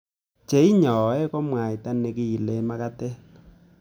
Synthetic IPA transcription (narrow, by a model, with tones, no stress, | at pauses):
t͡ʃe˨˦i˦ɲɔ˨ɛ˦kɔ˦mwa˨i˨ta˦ne˨ki˦i˨le˦ma˦ka˦tɛ˦